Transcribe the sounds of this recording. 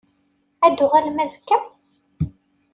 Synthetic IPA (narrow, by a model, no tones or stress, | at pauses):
æd̪ʊʁælmæzəkːæ